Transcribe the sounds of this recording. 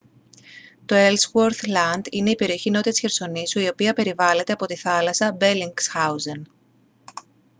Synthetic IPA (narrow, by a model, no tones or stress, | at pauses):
t̪o̞elswoɾθlɐnd̪ine̞ipe̞ɾio̞çino̞t̪it̪i̥sçe̞ɾso̞nisuio̞piɐpe̞ɾivɐle̞t̪e̞ɐpo̞t̪iθɐlɐsɐbe̞liŋɡsxɐwzen